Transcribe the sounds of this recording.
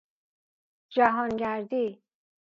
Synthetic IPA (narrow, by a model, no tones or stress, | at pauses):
d͡ʒaɦɔnɡæɾd̪i